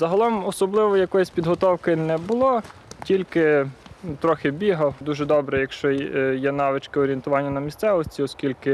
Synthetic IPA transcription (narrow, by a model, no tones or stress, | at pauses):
zɐɦɐlˠɔmɔsɔblˠɪʋɔjɐkɔjʊsʲpʲid̪ɦɔt̪ɔwkɪnɛbʊlˠɔ | tʲilʲkɪ | t̪ɾɔxɪbʲiɦɐwd̪uʒɛd̪ɔbɾɛjɐkʃt͡ʃɔjjɛnɑʋɪt͡ʃkɪɔɾʲient̪ʊʋɑnʲːɐnɐmʲist̪sɛʋɔsʲtʲiɔskʲilʲkɪ